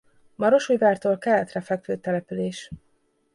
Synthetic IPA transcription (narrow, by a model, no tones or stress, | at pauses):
mɒɾo̞ʃuːjvaːrt̪oːlkɛlːɛt̪rɛfɛkføːt̪ːɛlɛpyleːʃ